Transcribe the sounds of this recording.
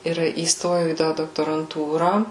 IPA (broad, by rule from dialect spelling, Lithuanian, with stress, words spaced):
ɪr iːsˈtoːjɛʊ iː ˈtɑː doːktoːrɐnˈtuːrɑː